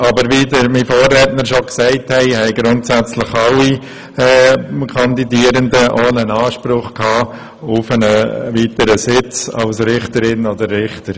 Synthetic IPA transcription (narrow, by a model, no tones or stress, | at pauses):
ɑbəɾʋiːdəɾmifoːrːɛtnəɾʃoksɛɪthɛɪhɛɪɡ̥ɾʊntsæt͡slɪχɑlːi | ɛkʰɑnd̪idiːəɾəndəʔoːnənɑːʃpɾʊχkʰhɑː | ʊfənəʋiːtəɾəsɪt͡sɑ̰lsɾɪχtəɾɪnod̪əɾːɪχtəɾ